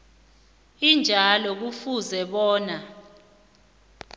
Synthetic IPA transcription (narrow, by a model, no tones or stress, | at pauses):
ind͡ʒʱalɔk̬ufuzɛɓɔːna